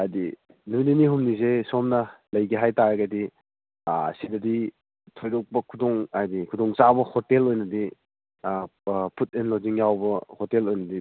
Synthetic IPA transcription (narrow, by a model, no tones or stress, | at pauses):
ajdi | nujniniɦumnizesomnɐlɐjɡiɦajtaɾɐɡɐdi | sidɐdi | tʰojɾɔk̚pɐkʰudɔŋajdikʰudɔŋt͡ʃabɐhotelojnɐdi | pʰut̚enloziŋjawbɐhotelojnɐdi